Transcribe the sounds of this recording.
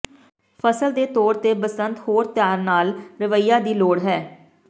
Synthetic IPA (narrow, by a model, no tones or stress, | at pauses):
pʰəsəld̪eːt̪ɔːɾt̪eːbəsənt̪hoːɾt̪ɪjaːɾnaːlɾɪʋəiːjaːd̪iːloːɽɦɛː